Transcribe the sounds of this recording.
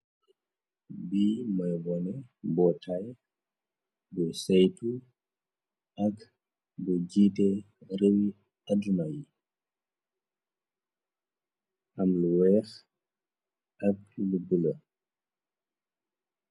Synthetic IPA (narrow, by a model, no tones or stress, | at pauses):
biːmɐjwɔnɛbɔtʰaj | bɔsɛjtu | ʔɐk | buɟiːtɛ | ɾewi | ɐdumaji | ʔɐmluwɛːx | ʔɐk̚lubulɐ